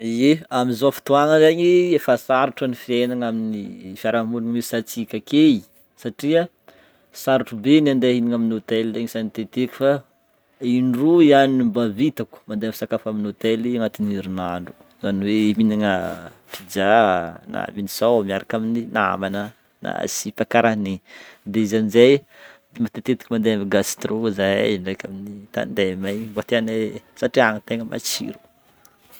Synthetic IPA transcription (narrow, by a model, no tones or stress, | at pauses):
eamizofi̥t̪uaŋəzaɲiefasaɾuʈ͡ʂanifienaŋaminifaɾamulaŋwesat͡sikʲakei | saʈ͡ʂiə | saɾuʈ͡ʂubenand̪eɦiniŋaminot̪ɛlzeɲisanit̪et̪ekʲu̥fa | iɳɖ͡ʐuianinimbavit̪aku̥mand̪efi̥sakafaminot̪ɛliaŋat̪iniɾinaɳɖ͡ʐu̥ | zaniweiminaŋa | pid͡ʒana̰minisawamiaɾakamininaa̰manə | na̰sipakaɾanid̪eizanizaj | mat̪et̪et̪i̥kʲimand̪eamiɡast̪ɾozajɳɖ͡ʐekaminit̪a̰nd̪emajbot̪eanesaʈ͡ʂiaŋət̪eŋəmʔa̰t͡ʃḭɾu̥